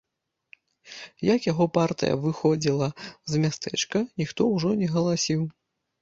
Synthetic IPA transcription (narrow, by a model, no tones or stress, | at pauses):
jɐkjaɣɔpart̪ɨ̰jɐ̰vɨxɔd͡zʲilˠɐzmʲast̪ɛ̰t͡ʂkɐnʲixt̪ɔwʐɔnʲɛɣɐlˠasʲiw